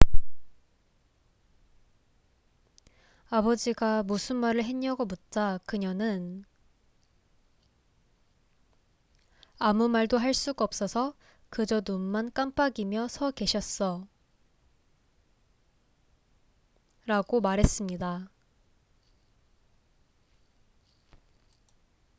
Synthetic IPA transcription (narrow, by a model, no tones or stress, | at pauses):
abʌd͡ʑiɡamusʰɯnmaɾɯɭɦeɲʌɡʌmut̚t͡ɕ͈akɯɲʌnɯn | amumaɭdoɦaɭs͈uɡaʌp̚s͈ʌsʰʌ | kɯd͡ʑʌnomːank͈amp͈aɡimjʌsʰʌke̞ɕʰʌs͈ʌ | ɾaɡomaɾɦe̞s͈ɯmɲida